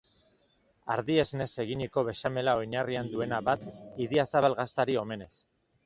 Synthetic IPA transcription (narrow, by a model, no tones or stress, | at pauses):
a̰ɾðiezne̞se̞ɣiɲiko̞βe̞ʃame̞lao̞jɲariand̪ue̞naβat̪iðiasaβalɣast̪aɾio̞me̞ne̞s